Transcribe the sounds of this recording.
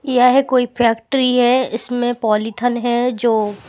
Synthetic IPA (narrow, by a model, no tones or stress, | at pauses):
jaɦɛkoːipʰɛːkʈɾiɦɛɪsmẽpɔːlit̪ʰənɦɛd͡ʒoː